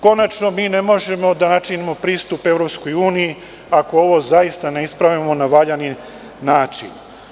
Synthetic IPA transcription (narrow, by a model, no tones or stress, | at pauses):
ko̞nat͡ʃno̞miːne̞mo̞ʒe̞mo̞d̪anat͡ʃinimo̞pɾiːst̪upe̞ʋɾopsko̞juːniji | ako̞o̞ʋo̞zaist̪ane̞ispɾaʋimo̞naʋaʎani | naːt͡ʃḭn